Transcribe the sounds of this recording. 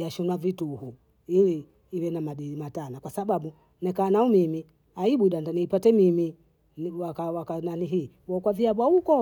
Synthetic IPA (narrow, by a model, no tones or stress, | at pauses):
jaʃɔnwavituhu | iliː | wɛnamaɗiimatanakwasaɓaɓu | nɛkaːnaumimi | aiɓuɗandaniːpatɛmimi | wakawakananiɦiː | ɔkwaviaɓwaukɔ